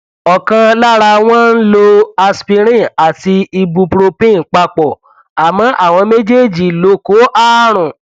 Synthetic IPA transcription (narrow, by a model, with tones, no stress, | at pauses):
ɔ˨kã˧la˦ɾa˧w̃ɔ̃˦n̩˦lo˧a˧spi˧ɾ̃ĩ˦a˨ti˧i˧bu˧pɾo˧pĩ˦˨k͡pa˧k͡pɔ˨ | a˨mɔ̃˨˦ʔa˦˨w̃ɔ̃˧me˦d͡ʒe˦˨d͡ʒi˨lo˨˦ko˨˦ʔa˦ɾ̃ũ˨